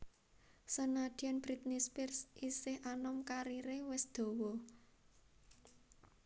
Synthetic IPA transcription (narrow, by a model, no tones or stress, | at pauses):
sənad̪̥i̤anb̥ɾit̪̚nispirsʔisɪhanɔmkaɾiɾewɪsd̪̥o̤wɔ